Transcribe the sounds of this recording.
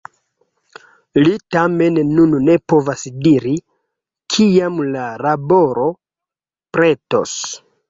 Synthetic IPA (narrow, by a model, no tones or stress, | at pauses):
litame̞nːunne̞po̞vasdiɾi | kʰijamlalabo̞ɾo̞ | pɾe̞to̞̰s